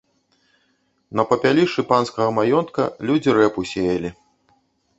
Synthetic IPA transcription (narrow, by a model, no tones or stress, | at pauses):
nɐpɐpʲalʲiʂɨpanskɐɣɐmajɔnt̪̚kɐlʲud͡zʲiɾɛpusʲejɐlʲi